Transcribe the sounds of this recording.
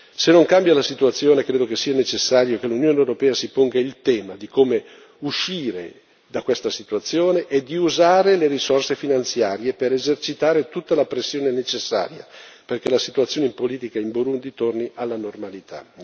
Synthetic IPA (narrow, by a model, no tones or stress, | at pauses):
senːoŋkambjalasit̪uat̪sːjoːnekɾeːd̪okesiːanet͡ʃesːaːɾjokelːunjoːnewɾopɛːasipoŋɡailt̪ɛːmad̪ikome | uʃiːɾḛ | d̪akwest̪asit̪uat̪sːjoːneʔːd̪ːiuzaːɾeleɾisorsefinant̪sjaːɾjepeɾezert͡ʃit̪aːɾet̪ut̪ːalapɾesːjoːnenet͡ʃesːa̰ːɾja̰perk̟elasit̪ut̪sjoːneimpoliːt̪ikaimboɾund̪it̪orniʔalːanormalit̪ʰa̰